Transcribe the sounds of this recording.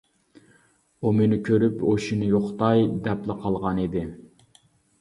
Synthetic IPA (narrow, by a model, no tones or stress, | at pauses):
umenɪkʲʰøɾypoʃinɨjoχt̪ɑjd̪ɛplɪqʰɑlˠʁɑnid̪ɪ